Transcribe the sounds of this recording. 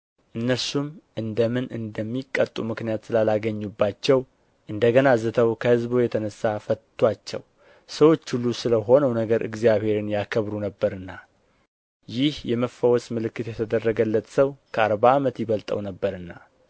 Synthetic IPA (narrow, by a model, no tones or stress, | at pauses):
ʔɨnːəsumʔɨnd̪əmɨnɨnd̪əmːikʼːət̪ʼːumɨknijat̪sɨlalaɡəɲːubːat͡ʃːɛw | ʔɨnd̪əɡənazɨt̪ʰəwkʰəhɨzbojɛt̪ʰənəsːafət̪ʰːwat͡ʃːɛ̰w | səwot͡ʃːhulːusɨləɦo̞nəwnəɡəɾʔɨ̰ɡzijaβhe̞ɾɨnjakʰəβɾunəbːəɾɨnːa | jɪhjɛməfːəwɔsmɨlɨkːɨt̪jɛt̪ʰəd̪ərːəɡəlːət̪ʼsəwkʰəaɾβaːmət̪jɪβəlt̪ʼə̰wnəbːəɾɨnːa